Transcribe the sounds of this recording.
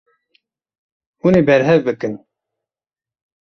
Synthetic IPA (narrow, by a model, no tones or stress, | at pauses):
uneːbɛɾɦɛvbɨkɨn